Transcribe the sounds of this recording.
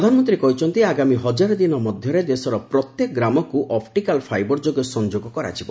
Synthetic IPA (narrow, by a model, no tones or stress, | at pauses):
ɾɔd̪ʱanɔmɔnt̪̬ɾiekɔɦit͡ʃʰɔnt̪iaɡamiɦɔd͡ʒaɾɔd̪inɔmɔd̪ʱjɔɾed̪esɔɾɔpɾɔt̪jekɔɡɾamɔkuʔʔɔp̚ʰʈikalpʰajbɔɾd͡ʒoɡjɔsɔnd͡ʒoɡɔkɔɾa̰t͡ʃʰibɔ̰